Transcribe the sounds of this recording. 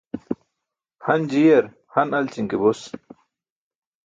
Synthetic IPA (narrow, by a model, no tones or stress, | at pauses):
hɐnd͡ʑijɐɾ | hɐnɐlt͡ɕiŋkebus